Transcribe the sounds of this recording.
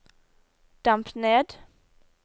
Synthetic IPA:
d̪̥ampneːd̪

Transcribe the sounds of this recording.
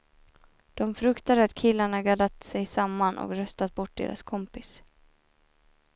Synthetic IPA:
d̪̥ɔmfɾɵkt̪ad̪əat̪kʰɪlːaɳaɡad̪at̪sɛjsamːanʔɔ̰kɾœst̪at̪̚bɔʈ̚ːd̪ḛːɾʔa̰skʰɔmpɪs

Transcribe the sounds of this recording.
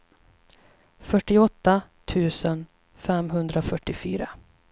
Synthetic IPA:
fœʈːɪɔt̪ːat̪ʰʉ̟ːsən | fɛmɦɵnd̪ɾafœʈːɪfyːɾa

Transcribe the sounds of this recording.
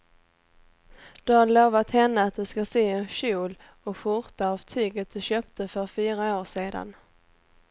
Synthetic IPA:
d̪̥ɵhaloːvat̪hɛnːəat̪̚d̪ɵskaseːɛnɕuːl | ɔɧʊɾt̪aavt̪ʰyːɡət̪̚d̪ɵɕøːp̚t̪əfœɾfyːɾaoːʂeːd̪a̰n

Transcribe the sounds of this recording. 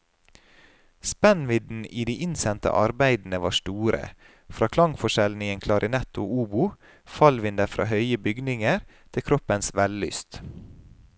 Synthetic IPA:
spɛnʋɪd̪n̩iːd̪iːʔɪnsɛnt̪ə̰ʔɑ̰ɾbæɪd̪n̩əʋɑ̰ːʃt̪uːɾə̰ | fɾɑːkʰlɑŋfɔʃɛln̩ɪənkʰlɑɾʔɪnɛt̪ʊʔuːbʊ | fɑlʋɪnd̪əɾfɾɑ̰ːhœʏəbʏɡnɪŋəɾt̪ʰɪlkʰɾɔpənsʋɛllʏ̰ːst̪

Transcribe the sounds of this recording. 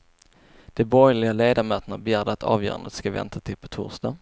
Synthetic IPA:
d̪̥ɛbɔɾjlɪɡaleːd̪aɾmœøːt̪ənabɛjæːɖəat̪ʰɑ̰ːvjœ̰ːɾa̰nd̪ə̰t̪skavɛ̰nt̪ʰat̪ʰɪlpʰɔt̪ʰṵːɾʂd̪ɑː

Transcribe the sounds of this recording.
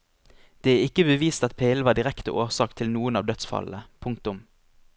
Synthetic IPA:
d̪̥eːæːɪkəbəʋiːst̪ɑt̪pʰeːɛlʋɑːd̪ɪʁɛkt̪ə̰ʔoːʁsɑːkt̪ʰɪlnuːənɑːʋd̪œt̪sfɑ̰ləpʰʊŋkt̪ʊm

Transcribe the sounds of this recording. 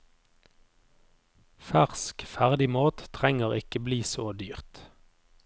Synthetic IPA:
fæʁskfæʁd̪ɪmoːt̪t̪ʰʁɛŋəʁɪkəbliːsoːd̪yːʁt̪

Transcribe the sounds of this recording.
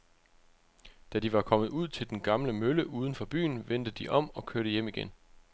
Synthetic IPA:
d̥ædiʋɑ̈kʰɒ̽mð̩ˠuð̰ˠt͡sʰe̝ld̥enɡ̥ɑ̈mləmøləʔuːðˠən̩fɒ̽b̥y̰ːn̩ʋen̰d̥əd̥iʔɒ̽m̰ɒ̽kʰøɐɾ̥əjem̰iɡ̥en

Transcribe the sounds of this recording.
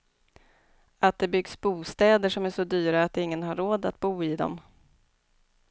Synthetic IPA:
at̪̚d̪ɛbʏɡsbuːst̪ɛːd̪əʂɔmæʂɔd̪yːɾaːt̪̚d̪ɛɪŋːənɦaɾːoːd̪at̪̚buːɪd̪ɔ̰m

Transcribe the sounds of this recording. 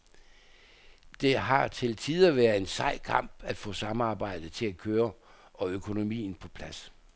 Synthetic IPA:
d̥e̝ɦɑ̈t͡sʰe̝lt͡sʰið̞ˠɐʋæːɐð̩ˠe̝nsɑ̈ɪ̰kʰɑ̈m̰b̥æd̥fɔ̰̽sɑ̈mɑ̈ːb̥ɑ̈ɪ̰d̥ðət͡sʰe̝lækʰøːɐ | ʔɒ̽økʰo̝no̝mḭːn̩pʰɒ̽pʰlæs

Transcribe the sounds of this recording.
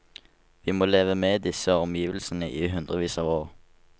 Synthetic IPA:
ʋiːmoːleːʋəmeːd̪ɪsəɔmjiːʋəl̩sən̩əʔiːɦʉnd̪ʁəʋiːsɑːʋoːʁ

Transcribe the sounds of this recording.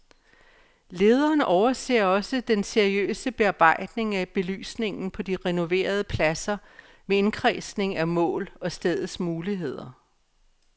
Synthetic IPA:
le̝ːð̞ˠɐːnɒʊɐse̝̰ːɐɒ̽səd̥enseɐiø̰ːsəb̥e̝ɑ̈b̥ɑ̈ɪ̰d̥ne̝ŋæb̥e̝ly̰ːsne̝ŋn̩pʰɒ̽d̥iʁɛno̝ʋe̝̰ːɐð̞ˠəpʰlæsɐ | mee̝nkʰʁɛːsne̝ŋæmɔ̰̽ːlɒ̽sd̥eð̞ˠsmuːliɦe̝ð̞̰ˠɐ

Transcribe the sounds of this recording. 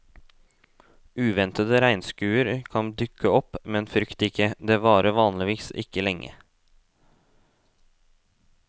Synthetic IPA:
ʉːʋɛnt̪əd̪əɾæɪnskʉːəɾkʰɑnd̪ʏkəɔpmɛnfɾʏkt̪ɪkəd̪eːʋɑːɾəʋɑːnlɪʋiːsɪ̰kəlɛŋʔə̰

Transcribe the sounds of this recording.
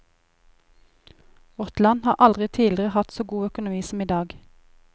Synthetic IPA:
ʊt̪lɑnhɑːʔɑld̪ʁɪt̪ʰiːlɪʁəhɑt̪soːɡuːœkʊnʊmiːsm̩iːd̪ɑːɡ

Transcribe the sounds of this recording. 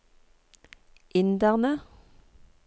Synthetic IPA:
ʔɪnd̪æʁnə

